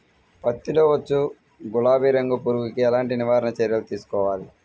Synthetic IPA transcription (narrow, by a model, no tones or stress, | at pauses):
pɐt̪ːiloːʋɐt͡ʃːu | ɡulaːbiːɾeŋɡopuːɾuɡukiɛlaːɳʈiniʋaːɾɐnɐt͡ʃɛɾjɐlut̪iːsu̥kɔːʋaːli